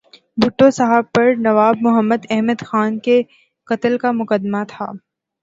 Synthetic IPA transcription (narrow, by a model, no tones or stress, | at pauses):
bʱʊʈːosɐɦəb̚pɐɾnɐʋaːbmʊɦəmːəd̪ɛɦməd̪xaːnke | kɐt̪əlkamʊkəd̪mat̪ʰa̰ː